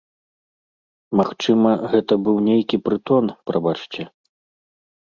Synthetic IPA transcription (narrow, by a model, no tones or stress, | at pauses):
maxt͡ʂɨmɐɣɛt̪ɐbɨwnʲejkʲipɾɨt̪ɔnpɾabat͡ʂt͡sʲɛ